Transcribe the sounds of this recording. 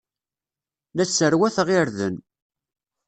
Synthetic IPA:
ðæt͡sːəɾwæθʁɪɾðə̰n

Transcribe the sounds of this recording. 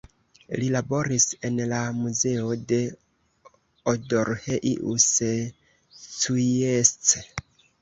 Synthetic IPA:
lilabo̞ɾise̞nlamuze̞ode̞ | odoɾheʔiʔṵse | suest͡se

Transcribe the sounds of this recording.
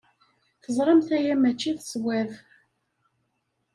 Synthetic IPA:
θəzˤɾˤəmθæjæmæt͡ʃːiθswæð

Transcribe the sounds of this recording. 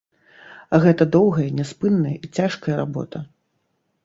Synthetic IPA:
ɣɛt̪ɐd̪ɔwɣɐjɐnʲɛspɨnːɐjɐit͡sʲaʂkɐjɐɾabɔ̰t̪ɐ

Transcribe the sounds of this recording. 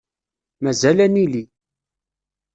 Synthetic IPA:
mæzælænili

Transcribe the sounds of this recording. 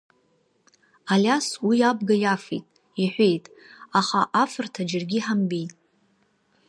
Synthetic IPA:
alʲaswijab̚ɡajafḛtʼ | iħʷejtʼ | aχaʔafɨrtʰad͡ʒɪrɡʲiħambejtʼ

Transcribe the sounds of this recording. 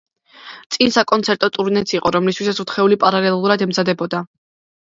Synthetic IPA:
t̪sʼinsakʼɔnt̪sʰɛɾt̪ʼɔt̪ʼuɾnɛt̪sʰiqʼɔɾɔmlist̪ʰwisat̪sʰut̪ʰχɛulipʼaɾalɛlˠuɾad̪ɛmzad̪ɛbɔd̪a

